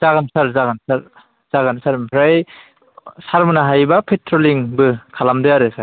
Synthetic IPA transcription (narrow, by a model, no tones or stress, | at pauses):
zaɡansaɾzaɡɯnsaɾ | z̥aɡansaɾmpʰɾaj | saɾmɯnaɦajbapʰetʰɾoliŋbɯkʰalamdɯjaɾɯsa